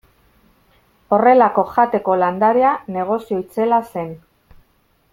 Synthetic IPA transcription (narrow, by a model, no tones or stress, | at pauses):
o̞re̞lako̞ʝat̪e̞ko̞land̪aɾeane̞ɣ̞o̞sio̞it͡se̞lase̞n